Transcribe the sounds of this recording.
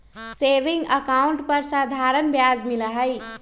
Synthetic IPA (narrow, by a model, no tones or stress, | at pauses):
seʋiŋɡəkauɳʈpəɾsad̪ʱaɾənbjad͡zmiləɦəj